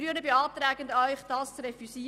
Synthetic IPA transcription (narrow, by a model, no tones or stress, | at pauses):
yənəbeɑːt̪ɾæːɡəndœʏχd̥ɑːst͡sɾɛfysi